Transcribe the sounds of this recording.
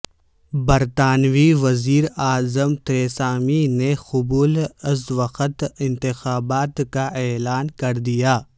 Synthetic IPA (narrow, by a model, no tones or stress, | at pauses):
bɐɾt̪aːnʋiʋɐziːɾaːzəmt̪ɾeːsaːminexʊbuːlɪzʋɐxət̪ɪ̃nt̪ɪxaːbaːt̪kaʔɛːlaːnkɐɾd̪ijaː